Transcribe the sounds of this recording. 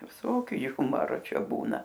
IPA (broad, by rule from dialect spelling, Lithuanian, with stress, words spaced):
ʋʲɪˈsoːkʲʊ ˈjʊmɐroː ˈt͡ʃʲɛ ˈbuːnɐ